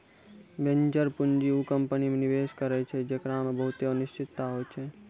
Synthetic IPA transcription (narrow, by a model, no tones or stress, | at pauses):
bẽnd͡ʒəɾpʊnd͡ʒiukəmpənimenɪʋeːskəɾɛt͡ʃʰɛd͡ʒekɾamẽbəɦʊt̪eənʊʃʈʰɪt̪ːaɦoːt͡ʃʰɛ